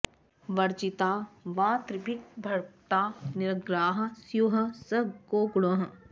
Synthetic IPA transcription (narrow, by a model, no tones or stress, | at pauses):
ʋɐɾd͡ʒit̪aːʋãːt̪ɾɪbʱik̚bʱɐɾt̪aːnɪɾɐɡɾaːɦɐ̆sjuɦɐsɐɡoːɡɽoɦɐ